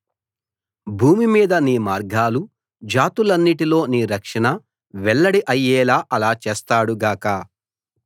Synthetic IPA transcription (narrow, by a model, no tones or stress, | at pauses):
bʱuːmimiːd̪ɐniːmaːɾɡaːlu | d͡ʒaːt̪ulɐnːiʈilo̞ːniːɾɐkʂɐɳɐ | ʋɛɭːɐɽiʔɐjːɛːlaːʔɐlaːt͡ʃeːst̪aːɽuɡaːkɐ